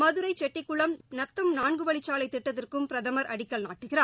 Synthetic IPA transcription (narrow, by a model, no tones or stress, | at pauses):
mɐðɯɾɐɪt͡ʃɛʈːɪkːʊɭɐmnɐt̪ːɯmnaːɳɡɯʋɐɭɪt͡ʃːaːlɐɪt̪ːɪʈːɐðɪrkɯmpɪɾɐðɐmɐɾɐɽɪkːɐɭnaːʈːɯɣɪɾaː